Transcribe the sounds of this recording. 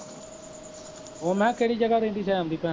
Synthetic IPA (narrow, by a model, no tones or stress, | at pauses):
oːmɛ̃ːkeːɽiːd͡ʒəɡaːɾẽːnd̪iːt͡ʃʰaːmd̪iːpɛ̃ː